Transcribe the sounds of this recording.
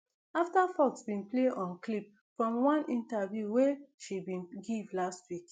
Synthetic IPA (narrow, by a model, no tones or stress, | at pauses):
aftafɔksbĩnpleʔɔ̃nklip̚ | fɹɔ̃mwãnʔĩntavjuweʃibĩnɡivlastwik